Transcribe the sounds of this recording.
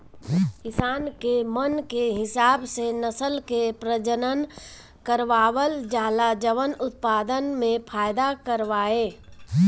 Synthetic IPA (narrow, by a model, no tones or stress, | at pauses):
kɪsaːnkemənkeɦɪsaːbsenəsəlkepɾəd͡ʒənən | kəɾʋaːʋəld͡ʒaːlad͡ʒəʋənʊt̪̚paːd̪ənmẽpʰaːɪd̪akəɾʋaːeː